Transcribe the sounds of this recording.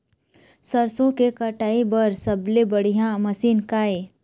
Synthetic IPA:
sɐɾsõkekɐʈaːibɐɾsɐblebɐɽijãmɐsiːnkaːe

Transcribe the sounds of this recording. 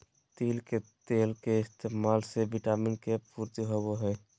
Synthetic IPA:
t̪iːlket̪eːlkeɪst̪eːmalsebiʈaminkepuɾt̪iɦoboɦɛ

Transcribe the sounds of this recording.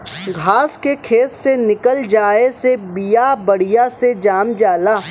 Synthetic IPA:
ɡʱaːskekʰeːssenɪkəld͡ʒaːesebijabɐɽ̤ijased͡ʒaːmd͡ʒaːlaː

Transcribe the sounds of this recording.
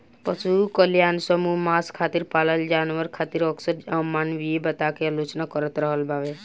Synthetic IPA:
pəsukəljansəmumaskʰat̪iɾpaləld͡ʒanʋəɾkʰat̪iɾɔksəɾamanʋiebət̪akealot͡ʃnakəɾət̪ɾəɦəlbaʋe

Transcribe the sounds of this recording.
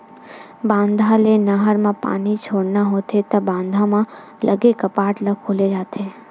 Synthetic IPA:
bãːnd̪ʱalenaɦəɾmãpa̰ːnit͡ʃʰoːɽnaɦoːt̪ʰet̪ɐbãːnd̪ʱãmã | lʔəɡekɐpaːʈlɐɡkʰoːled͡ʒaːt̪ʰeː

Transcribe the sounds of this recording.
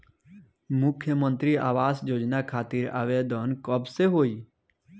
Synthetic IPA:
mʊkʰjəmə̃nt̪ɾia̰ːʋaːsjoːd͡ʒnakʰaːt̪iɾa̰ːʋed̪ənkəbseɦoːiː

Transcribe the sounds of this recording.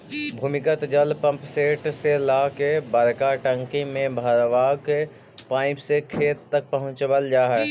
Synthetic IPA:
bʱuːmɪkət̪d͡ʒəlpə̃mpseːʈselaːkebəɾkaʈə̃ŋkĩmẽbʱəɾʋaːke | pãːɪ̃psekʰeːt̪ːək̚pəɦʊ̃t͡ʃbəld͡ʒaːɦɛː

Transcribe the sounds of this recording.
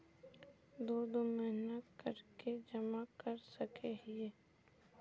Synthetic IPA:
d̪oːd̪omɛɦnət̪kəɾked͡ʒɐmakəɾsɐkeɦie

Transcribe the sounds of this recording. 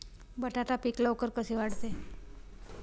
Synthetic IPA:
bəʈaʈapiklaokəɾkəsiʋaɽt̪e

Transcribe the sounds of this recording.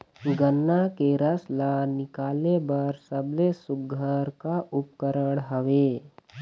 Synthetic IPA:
ɡənːakeɾəslanɪkaːlebəɾsəblesʊɡʱəɾkaʔʊp̚kəɾəɽɦəʋe

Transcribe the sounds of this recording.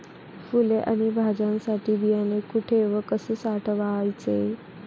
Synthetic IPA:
fuleʔa̰ñibʱad͡ʑãnsaʈʰiːbijanekuʈʰeʋəkəsəsaʈʰʋajt͡se

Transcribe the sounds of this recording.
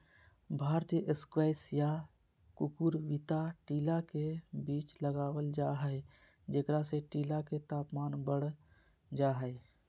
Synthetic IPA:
bʱaːɾt̪ijəʔeskwɛɪsja | kukuɾʋit̪aʈiːlakebiːt͡ʃləɡaːwəld͡ʒaːɦɛe | d͡ʒekɾaseʈiːlaket̪aːpmaːnbəɽ | d͡ʒaːɦɛe

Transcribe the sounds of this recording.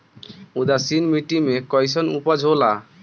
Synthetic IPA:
ud̪asinmiʈimekɔjsɔnupad͡ʒʱola

